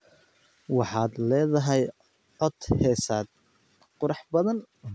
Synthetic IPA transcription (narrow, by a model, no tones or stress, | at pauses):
wɑħɑːd̪lɛːðɐɦɛj | ʕɔd̪hɛːsaːd̪̚ | qʊɾɑħbɐðɐn